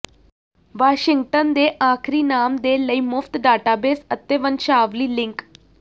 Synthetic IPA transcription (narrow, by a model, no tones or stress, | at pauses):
ʋaːʃɪŋɡ̚ʈənd̪eʔaːkʰɾiːnaːmd̪eləimʊft̪ɖaːʈabeːsət̪ːeʋənʃaːʋliːlɪ̃ŋk